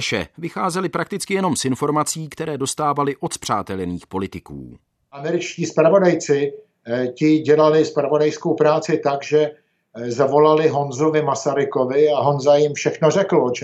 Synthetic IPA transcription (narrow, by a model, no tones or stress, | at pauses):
ʃɛ̰vɪxaːzɛlɪpɾakt̪ɪt͡skɪjɛno̞msɪnfo̞ɾmat͡siːkt̪ɛɾɛːdo̞st̪aːvalɪʔo̞t̪pr̝̥aːt̪ɛlniːxpo̞lɪt̪ɪkṵː | ʔamɛɾɪt͡ʃciːspɾavo̞dajt͡sɪ | cɪɟɛlalɪspɾavo̞dajskowpɾaːt͡sɪt̪aɡʒɛ | zavo̞lalɪɦo̞nzovɪmasaɾɪkovɪaɦo̞nzajɪmfʃɛxnorɛkl̩ot͡ʃ